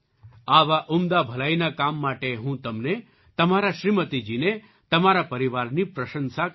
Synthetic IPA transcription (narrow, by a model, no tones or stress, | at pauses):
aʋaʔumd̪abʱəlainakamːaʈeɦũt̪ɐmne | t̪ɐmaɾaʃɾimət̪id͡ʒine | t̪ɐmaɾapəɾiʋaɾnipɾəʃənsa